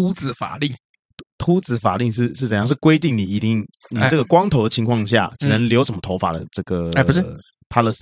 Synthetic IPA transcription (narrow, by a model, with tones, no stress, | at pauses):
u˥t͡sɹ̩˨˩fa̰˨˩li˥˩ | t̪ʰu˥t͡sɹ̩˨˩fa̰˨˩li˥˧ʂ̬ɻ̩˥˧ʂɻ̩˥˩ə˨˩˦jɑ˥˧ŋʂɻ̩˥˩kwe˥ɪt̪i˥˩ŋni˨˩i˧˥t̪i˥˩ŋni˨˧˩ʈ͡ʂɤ˥˩ɡə˩kwɑ˥ŋt̪ʰo˧˥ʊd̪ə˧t͡ɕʰi˧˥ŋkʰwɑ˥˧ŋɕja̰˥˩ʈ͡ʂi˨˩nə˧˦ŋljo˧˥ʊʂə˧˥nmə˦t̪ʰo˧˥ʊfa̰˨˩d̪ə̰˦ʈ͡ʂɤ˥˩ɡə˩˧˥ | pʰa˥lə˧˩s